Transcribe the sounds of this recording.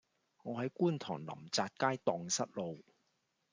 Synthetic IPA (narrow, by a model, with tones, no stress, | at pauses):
ŋɔː˨˧ɦɐ˨˥jkuː˥˩nt̪ʰɔ̰ː˨˩ŋlɐ̰˨˩mt͡saː˧t̚kaː˥jt̪ɔː˨ŋsɐ˥t̚lo˨w